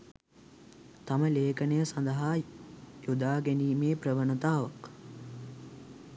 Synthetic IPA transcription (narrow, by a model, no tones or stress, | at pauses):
t̪aməleːkənəjəsand̪əɦaːjud̪aːɡæniːmeːprəʋənət̪aːʋək